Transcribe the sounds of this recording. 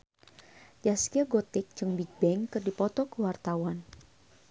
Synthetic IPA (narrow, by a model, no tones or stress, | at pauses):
jaskiaɡɔt̪ɪk̚d͡ʒɨŋbiɡ̚bɛŋkɨrdipɔt̪ɔkəwart̪awan